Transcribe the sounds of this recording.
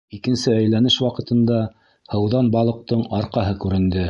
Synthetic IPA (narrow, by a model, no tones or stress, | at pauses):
ikɘ̆nsɘæjlænɘʃwɑqɤ̆t̪ɤ̆nd̪ɑ | hɤ̆wðɑnbɑlˠɤ̆q̚t̪ɤɴɑɾqɑɦɤkʉɾɘ̆nd̪ɘ